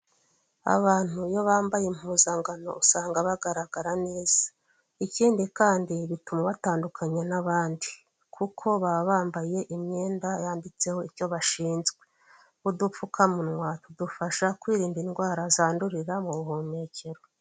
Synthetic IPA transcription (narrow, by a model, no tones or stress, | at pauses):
a̰βaːn̥hujo̞βaːmbajem̥huːzaŋɡano̞̰usaːŋɡaβaɡaɾaɡaɾane̞ːz̥ḁ | iciːndikaːndiβitumaβataːndukʰaɲenaβaːndi | kʰukʰo̞βaβaːmbaje̞ʔimɲe̞ːndajaːndit͡se̞ho̞iɾco̞βaʃiːnzɡwe̞ | udufukʰamunŋwatudufaʃakwiːɾiːmbinɡwaːɾazaːnduɾiɾamuβuɦumeːcʰe̞ɾo